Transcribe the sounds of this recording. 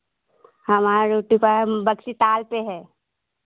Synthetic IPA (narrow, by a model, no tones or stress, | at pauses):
hɐmaːɾaɾoːʈipəbɐksit̪aːlpeɦɛː